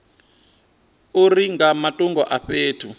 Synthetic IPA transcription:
uriŋɡamatʼuŋɡʱɔʔaɸeːtʰu

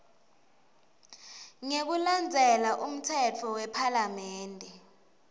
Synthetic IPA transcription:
ŋek̬uland͡zʱɛlaʔum̩tʰɛtʰɔwɛpʰalamɛːndʱɛ

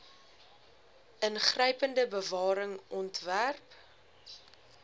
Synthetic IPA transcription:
ʔənχrəjpəndəbəvɑːɾəŋʔɔntværp

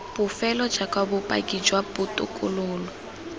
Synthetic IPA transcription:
pʊfɛlɔ̥d͡ʒakʼwabʊpʼa̰kʼid͡ʒwaputʼʊ̰kʼʊlʊːlɔ

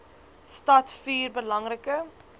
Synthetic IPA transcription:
stɐtfiːrbəlɐŋrəkə

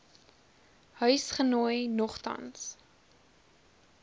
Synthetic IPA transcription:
hœɥsχənojnɔχtɐ̰ns

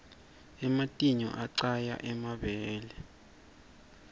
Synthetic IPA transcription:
ɛmatʼiɲɔ̰ʔaǀaja̰ʔɛmaɓɛːlɛ

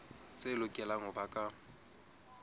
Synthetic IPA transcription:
t͡sʼelʊkʼɛlaŋʊbakʼa

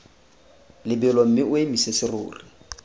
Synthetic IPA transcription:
lɪbɪlɔm̩mɪʊemisesɪrʊ̰ːri

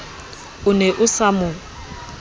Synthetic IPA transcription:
ʊnɛʔʊsamʊ

